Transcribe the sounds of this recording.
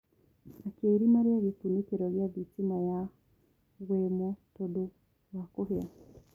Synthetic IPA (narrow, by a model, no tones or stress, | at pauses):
akeɾinaɾjaɣepunekeɾɔβjaβitimaja | ɣwemotodo | wakoɦea